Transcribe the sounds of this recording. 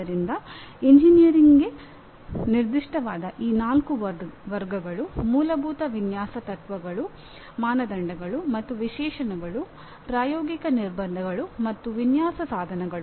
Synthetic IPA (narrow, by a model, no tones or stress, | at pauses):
ɐɾind̪ɐiɲd͡ʒinijɐɾiŋɡe̞ | niɾd̪iʂʈɐʋaːd̪ɐʔiːnaːlkuʋʋɐɾɡɐɡɐɭumuːlɐbʱuːt̪ɐʋinjaːsɐt̪ɐt̪ʋɐɡɐɭu | maːnɐd̪ɐɳɖɐɡɐɭumɐt̪ːuʋiʃɛːʃɐnɐɡɐɭu | pɾaːjoːɡikɐniɾbɐnd̪ʱɐɡɐɭumɐt̪ːuʋinjaːsɐsaːd̪ʱɐnɐɡɐɭu